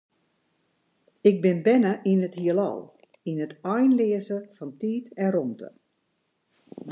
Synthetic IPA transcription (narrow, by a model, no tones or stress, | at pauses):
ɪk̚bɪnbɛnəʔinəthiəlɔ̰lˠ | inətʰɔjnlɪəzəfɔntiːtɛromtə̰